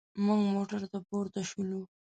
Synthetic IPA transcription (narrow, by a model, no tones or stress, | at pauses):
muŋɡmoʈaɾt̪apoɾt̪aʃulu